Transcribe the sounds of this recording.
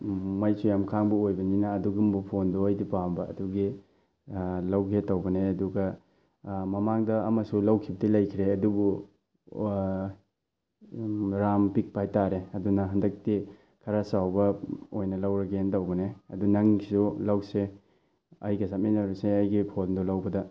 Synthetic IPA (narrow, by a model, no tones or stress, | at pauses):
mɐjsujamkʰaŋbuojbɐninɐːduɡumbupʰondoajdipambɐɐ̰duɡi | lawkʰetɐwbɐneɐduɡɐ | mɐmaŋdɐːmɐsulɐwkʰibɐdilɐjkʰiɾeɐdubu | ɾampik̚pajtaɾeɐdunɐɦɐndɐk̚ti | kʰɐɾasawbɐojnɐlɐwɾɐɡeentɐwbɐneɐ̰dunɐŋisulawse | ɐ̰jɡɐsaminɐɾuseɐjɡipʰondolɐwbɐdɐ